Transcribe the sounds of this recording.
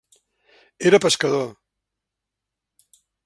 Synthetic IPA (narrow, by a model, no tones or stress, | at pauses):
eɾəpəskɐð̞o